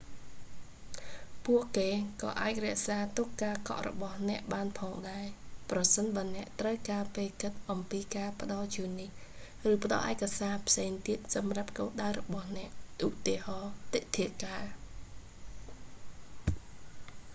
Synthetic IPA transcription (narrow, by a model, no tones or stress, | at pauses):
puəʔkeːkɑ̰ːʔaːc̚rɛ̆əʔsaːt̪okkːaːkɑ̰ʔrɔ̰ɓɑhnɛ̆əʔɓaːnpʰɑːŋɗaɛprɑsənɓaənɛ̆əʔt̪rəwkaːpeːkɨt̪̚ʔɑmpiːkaːpə̆ɗɑlt͡ɕuənːih | rɨːpə̆ɗɑ̰lʔaɛkasaːpʰseːŋt̪iət̪̚sɑmrap̚koːɗaərɔɓɑhnɛ̆əʔʔut̪iəhɑːt̪iʔt̪ʰiəkaː